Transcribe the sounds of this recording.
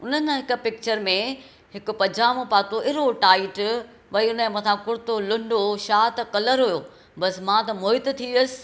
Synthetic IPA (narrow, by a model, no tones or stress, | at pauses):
ʊnənɪ̆ɦɪk̆pɪk̚t͡ɕəɾmẽ | ɦɪkʊpɐ̃d͡ʑaːmõpaːt̪oʔɪɾoʈaːɪʈ | ʋɐiʊnəmɐ̃t̪ʰãkʊɾɪt̪olʊ̃ɳɖoʃaːt̪kɐləɾɦujoː | bɐsmãt̪ɐmoːɦɪt̪t̪ʰiʋijəsɪ̥̆